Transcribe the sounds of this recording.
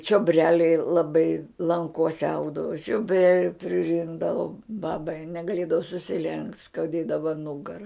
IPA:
t͡ʃʲoːˈbʲrʲæːlʲɛɪ lˠɐˈbɐɪ lˠɐŋˈkoːsʲɛ ˈɐʊɡdɐʋʊ t͡ʃʲoːˈbʲrʲæːlʲʊ pʲrʲɪˈrʲɪŋɡdɐʋʊm ˈbɑːbɐɪ nʲɛɡɐˈlʲeːdɐʋoː sʊsʲɪˈlʲɛŋktʲ skɐʊˈdʲeːdɐʋɐ ˈnʊɡɐrɐ

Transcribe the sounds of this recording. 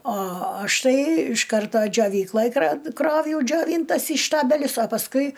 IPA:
oː ˈɐʃ ˈtɐɪ ɪʃ ˈkɐrtoː d͡ʒʲoːˈʋʲiːklˠoːj krɐ ˈkroːwjɛʊ d͡ʒʲoːˈʋʲiːntɐs iː ˈʃtɑːbʲɛlʲʊs oː pɐsˈkʊɪ

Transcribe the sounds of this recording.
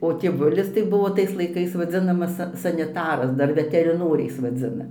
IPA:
oː tʲeːˈʋʊlʲɪs tɐɪ ˈbʊʋoː ˈtɐɪs lˠɐɪˈkɐɪs ʋɐˈd͡zʲɪnɐmɐs ˈsɐ sɐnʲɪˈtɑːrɐs ˈdɐr ʋʲɛtʲɛrʲɪˈnoːrʲɛɪs ʋɐˈd͡zʲɪnɐ

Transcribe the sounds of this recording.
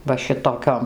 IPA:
ˈʋɐ ˈʃʲɪtoːˌkʲoːm

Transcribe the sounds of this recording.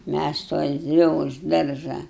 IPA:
mʲæs sʊ ɛlʲˈzʲɪ ʊʃ ˈdɐrʒɑː

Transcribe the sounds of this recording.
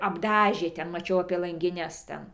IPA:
ɐbˈdɑːʒʲeː ˈtʲɛn mɐˈt͡ʃʲɛʊ ɐpʲiɛ lˠɐŋʲɡʲɪˈnʲɛs ˈtʲɛn

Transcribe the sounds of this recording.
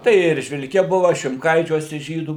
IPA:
ˈtɐɪ ɪ ɛrʲʒʲʋʲɪlʲˈkʲɛ ˈbʊʋɐ ʃʲɪmˈkɐɪt͡ʃʲuɔsʲɛ ˈʒʲiːduː

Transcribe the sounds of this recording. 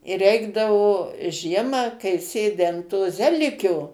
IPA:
ɪ ˈrʲɛɪɡdɐʋoː ˈʒʲiɛmɑː kɐɪ ˈsʲeːdʲɪ ɐn toː ˈzʲæːlʲɪkʲoː

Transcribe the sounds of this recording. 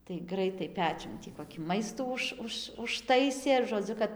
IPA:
tɐɪ ˈɡrɐɪtɐɪ ˈpʲæːt͡ʃʲʊn tʲiː ˌkoːkʲiː ˈmɐɪstuː ˈʊʃ ˈʊʃ ʊʃˈtɐɪsʲeː ʒoːˈd͡zʲʊ kɐt

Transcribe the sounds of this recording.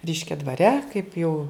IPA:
ˈrʲɛɪʃʲkʲɛ dʋɐˈrʲɛ kɐɪp jɛʊ

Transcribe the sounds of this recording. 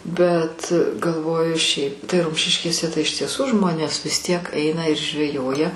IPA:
bʲɛt ɡɐlˠˈʋoːjʊ ˈʃʲɛɪp tɐɪ ˈrʊmʲʃʲɪʃʲkʲeːsʲɛ tɐɪ ɪʃ tʲiɛˈsuː ˈʒmoːnʲeːs ʋʲɪs tʲiɛk ˈɛɪnɐ ɪr ʒʲʋʲɛˈjoːjɛ

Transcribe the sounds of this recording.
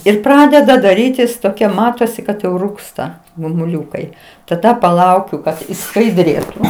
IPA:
ɪr ˈprɑːdʲɛdɐ dɐˈrʲiːtʲɪs toːˈkʲɛ ˈmɑːtoːsʲɪ kɐt jɛʊ ˈruːkstɐ ɡʊmʊˈlʲʊkɐɪ tɐˈdɐ pɐˈlˠɐʊkʲʊ kɐt ɪʃskɐɪˈdʲrʲeːtʊ

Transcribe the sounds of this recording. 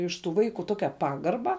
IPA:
ɪʃ tuː ˈʋɐɪkʊ ˈtoːkʲɛ ˈpɑːɡɐrbɐ

